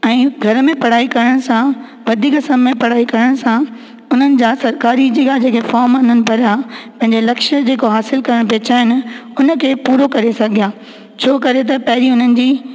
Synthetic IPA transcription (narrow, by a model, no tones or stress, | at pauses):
ɛ̃ːɡʱɐɾmẽpɐɽ̤aːikɐɾəɽ̃sã | ʋɐd̪ʱiːkɐsəmːẽpɐɽ̤aːikɐɾəɽ̃sã | ʊn̤ənɪ̆d͡ʑaːsɐɾkaːɾid͡ʑeːɡad͡ʑeːkʰefɔːɾmʊn̤ənɪ̆pɐɾaːpɐ̃ɦɪ̃ɲd͡ʑelɐkʃəd͡ʑeːkoɦaːsɪlkɐɾəɽ̃peːt͡ɕaːɦɪnɪ̆ʊnəkʰeːpuːɾokɐɾesɐɡʱijaː | t͡ɕʰoːkɐɾet̪̬ɐpɐɦɪɾiʊn̤ənɪ̆d͡ʑiː